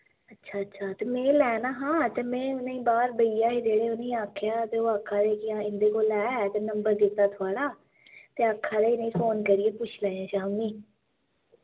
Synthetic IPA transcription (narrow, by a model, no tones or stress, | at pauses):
ətːʃʰaːətːʃʰaːt̪eːmɛ̃ːlɛːnaːɦãːt̪eːmɛ̃ːʊnãːĩːbaːɾbəiːjaːɦiːd͡ʒeːɽeːʊnẽĩːaːkʰːjaːt̪eːoːaːkʰːaːd̪eːkɪãːɪnd̪eːkoːlɛːt̪eːnəmbəɾd̪ɪt̪ːaːt̪ʰʊaːɽaː | t̪eːaːkʰːaːd̪eːɪnẽĩːfoːnkəɾɪeːpʊt͡ʃʰlɛ̃ːãːʃaːmiː